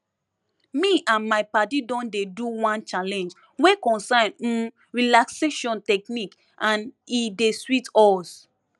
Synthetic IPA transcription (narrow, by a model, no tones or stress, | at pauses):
miʔãnmaɪpatidɔ̃ndeduwãnt͡ʃalɛ̃nd͡ʒ | wekɔ̃nsãñ̩ | ɹilakseʃɔ̃ntɛknik | ʔãnideswitɔs